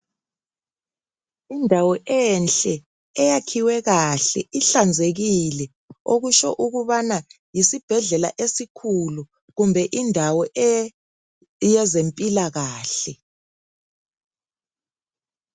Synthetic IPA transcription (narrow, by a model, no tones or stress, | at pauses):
indʱawɔʔɛnɬʼɛ | ɛjakʰiwɛɣaɬɛ̰iɬand͡zʱeɣilɛ | oɣuʃɔ̰ʔuɣuβana | jisib̥ʱɛɮɛla̰ʔesikʰulu | ɣumbʱɛʔindʱawɔʔɛ | jɛzempʼilaɣaːɬɛ